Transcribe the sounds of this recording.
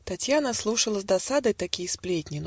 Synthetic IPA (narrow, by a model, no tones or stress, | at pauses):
t̪at͡sʲjanəslˠuʂəlˠəzd̪asad̪ɨjt̪akʲijəsplʲetʲnʲin